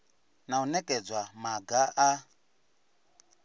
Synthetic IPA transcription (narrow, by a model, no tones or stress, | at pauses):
naunɛkʼɛd͡zwamaɡaʔa